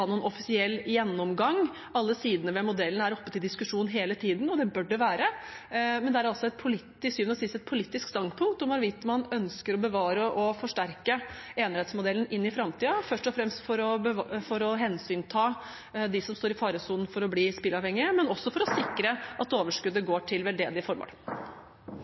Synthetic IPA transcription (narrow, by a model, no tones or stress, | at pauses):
ɑnuːnɔfɪsɪɛlːjɛnːɔmɡɑŋː | ɑlːəsiːd̪nəʋɛmʊd̪ɛlːən̩æɾɔpːət̪ɪld̪ɪskʉʂuːnnɦeːlət̪ʰiːd̪n̩ɔd̪ɛnbœɖːɛʋæːɾə | mɛnd̪ɛæɾɑlsɔɛt̪̚pʰʊlɪt̪ːɪsyːnɔsɪsɛt̪̚pʰʊliːt̪ːɪskst̪ɑnɡ̪pʰʊŋkt̪ɔmʋɑɾʋɪt̪mɑnœnskəɾɔbəʋɑːɾəʔɔfɔʂʈæɾkəeːnhɛːt̪smʊd̪ɛlːən̩ʔɪnːɪfɾɑmt̪ʰiːəfœʂʈɔfɾɛmst̪fɔɾɔəfɔɾɔɦɛnsyːnt̪ʰɑː | d̪ɪsɔmst̪oːɾɪfɑːɾəsuːnn̩fɔɾɔbliːspɪlɑːʋhɛŋːɪəmɛnɔsːɔfɔɾɔsɪkɾəʔɑt̪oːʋəʂkʉd̪əɡoːʈʰɪlʋɛlɖeːd̪ɪəfɔɾmo̰ːl